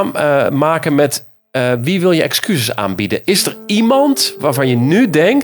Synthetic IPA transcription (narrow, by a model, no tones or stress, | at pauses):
maːkənmɛt | ʋiʋɪlˠjəʔɛ̰kskysəsa̰ːnbidəɪsdərimɑntʋaːrvɑnjənydɛŋk